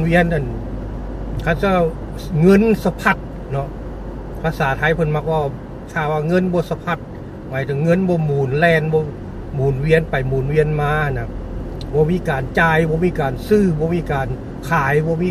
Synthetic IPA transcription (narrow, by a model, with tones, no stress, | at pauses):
wi˧ənʔa˨n | kʰa˧˥t̚si˧˩wa˧˩ | ŋɤ˧˥˨nsa˧pʰa˧˩t̪̚ | nɔ˧ʔ | pʰaː˧saː˨˦t̪ʰa˧˥jpʰɤ˧˨nma˧k̚bɔː˧˩ | kʰaː˧˩waː˧ŋɤ˧˥˨nbɔː˧˦sa˧pʰa˧˩t̪̚ | maː˨˩jt̪ɛ˧˩ŋɤ˧˥˨nbɔː˧˦muː˨˩nlɛː˧˩nbɔː˧˦ | muː˨˩nwi˧ənpa˨jmuː˨˩nwi˧ənmaː˧˥ha˨nːa˧ | bɔː˧˦miː˧˥˨kaː˨nt͡ɕaː˧˩jbɔː˧˦miː˧˨kaː˨nsɯː˧˩bɔː˧˦miː˧˨kaː˨˩n | kʰaː˨˦jbɔː˧˦miː˧